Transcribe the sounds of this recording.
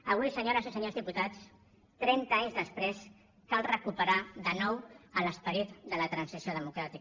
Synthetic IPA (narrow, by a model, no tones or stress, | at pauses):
əβ̞ujsəɲoɾəzisəɲozðiput̪at͡s | t̪ɾɛnt̪aɲzðəspɾes | kalˠrəkupəɾaðənɔwələspəɾit̪d̪ələt̪ɾənsisioðəmukɾat̪ik